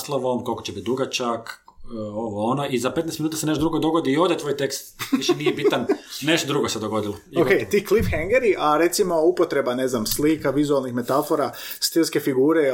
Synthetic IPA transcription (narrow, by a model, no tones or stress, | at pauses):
slˠoʋomkolˠkot͡ɕebit̪̚d̪uɡat͡ʃak | oʋoonoʔizape̞t̪nɛjst̪minuːt̪aseneʃt̪od̪ɾuɡod̪oɡod̪iːod̪et̪ʋojt̪ekst̪ʋiʃinijjebit̪anneʃt̪od̪ɾuɡosed̪oɡo̞d̪ilookejt̪iːklifxeŋɡeɾiʔaɾe̞t̪simo̞upo̞t̪ɾe̞bane̞znamsliːkaʋizualˠnixme̞t̪afo̞ɾa | st̪ilske̞fiɡuːɾe